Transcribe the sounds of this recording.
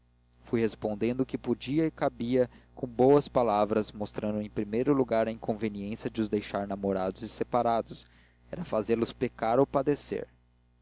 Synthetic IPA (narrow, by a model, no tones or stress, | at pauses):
fujhespõnd̪ẽnd̪ʊkɪpod͡ʒiɐɪkabiɐkõw̃bowɐspalavɾɐsmost̪ɾɐ̃nd̪ʊẽj̃pɾimejɾʊluɡaɾɐĩŋkõveniẽsjɐd͡ʒɪʊzd̪ejʃaɾnamoɾad̪ʊzɪsepaɾad̪ʊs | ɛɾɐfazelʊspekaɾowpad̪esḛɾ